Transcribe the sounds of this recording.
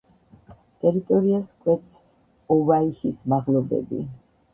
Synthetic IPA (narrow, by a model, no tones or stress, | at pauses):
t̪ʼɛɾit̪ʼɔɾiaskʼwɛt̪sʰ | ɔvaihismaʁlɔb̪ɛ̰bḭ